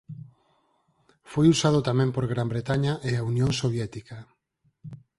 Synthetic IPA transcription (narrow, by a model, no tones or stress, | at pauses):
fojusaðʊt̪amɛ̃mpoɾɣɾambɾet̪aɲaʔeaunjõŋsoβjɛt̪ikɐ